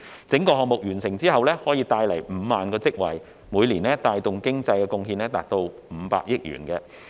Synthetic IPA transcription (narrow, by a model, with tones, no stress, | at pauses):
t͡sɪ˨˥ŋkɔː˧ɦɔː˨k̚mʊ˨k̚jyː˨˩nsɪ˨˩ŋt͡siː˥hɐ˨wlɛː˥hɔː˨˥jiː˧t̪aː˧jlɐ˨˩jm̩ː˨˧˥maː˨nkɔː˧t͡sɪ˥k̚wɐ̰˨˩j | muː˨˧jliː˨˩nɛː˥t̪aː˧jt̪ʊ˨ŋkɪ˥ŋt͡sɐ˧jkɛː˧kʊ˧ŋɦiː˧nɛː˥t̪aː˨k̚t̪o˧w | m̩ː˨˧pa̰ː˧k̚jɪ˥k̚ɥy̰ː˨˩nkɛː˧